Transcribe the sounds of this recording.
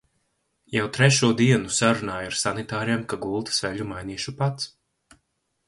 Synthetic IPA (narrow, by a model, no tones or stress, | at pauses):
jawt̪ɾɛʃuɔd̪iɛnusaɾunaːjaɾsanit̪aːɾiɛmkaɡulˠt̪svɛʎʲumajniːʃupat̪s